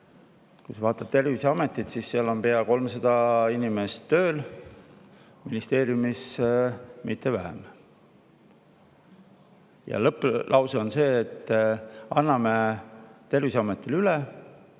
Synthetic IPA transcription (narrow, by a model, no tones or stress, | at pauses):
kujsɑvɑːt̪ːˑɑb̥̚t̪e̞rviseɑme̞t̪ːˑit̪sisːeɑlo̞mpe̞ɑko̞lmsɑd̪̥ɑinime̞st̪ːø̞ːl | minist̪e̞ːɾjumis | mit̪ːe̞væɦḛm | jɑ̰lɤpːˑlʔɑwso̞nse̞ːt̪ːˑɑnːɑme̞t̪e̞rvisɑmet̪ːˑilyle